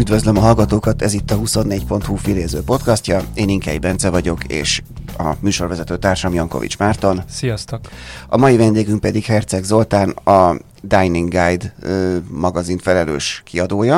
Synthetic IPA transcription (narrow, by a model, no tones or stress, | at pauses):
yd̪vø̞zlømɒɦɒlɡɒt̪oːkɒt̪ɛzit̪ːɒɦuso̞nːeːcpo̞nt̪huːfileːzøːpo̞t̪kɒscɒeːniŋkɛ̰jibɛnt̪sɛvɒɟo̞kḛːʃ | ɒ̰myːʃo̞rvɛzɛt̪øːt̪aːrʃɒmjɒŋko̞̰vḭt͡ʃmaːrt̪o̞nsijɒst̪okɒ̰mɒjivɛnd̪eːɡyŋk̚pɛd̪ikhɛrt̪sɛɡzo̞lt̪aːnɒ | d̪ajniŋɡajd̪ | mɒɡɒzinfɛlɛlø̰ːʃkiɒd̪oːjɒ